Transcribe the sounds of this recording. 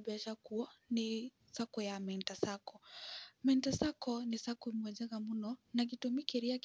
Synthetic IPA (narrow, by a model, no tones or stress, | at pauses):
biaʃakuɔni | sakɔjamɛntasakɔmɛntasakɔnisakumwɛd͡ʒɛkamunɔnak̬itumikɛɾiak